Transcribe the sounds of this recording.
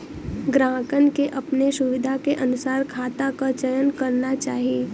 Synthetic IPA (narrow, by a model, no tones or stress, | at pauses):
ɡɾãːkənkeʔɐpnesʊʋɪd̪ʱakeʔɐnʊsaːɾkʰaːt̪akat͡ʃəjənkɐɾnat͡ʃaːɦieː